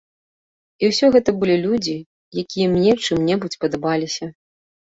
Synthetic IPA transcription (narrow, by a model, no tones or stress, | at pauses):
iwsʲɔɣɛt̪ɐbɨlʲilʲud͡zʲi | jakʲijɐmnʲɛwt͡ʂɨmnʲɛbut͡sʲpɐd̪ɐbalʲisʲɐ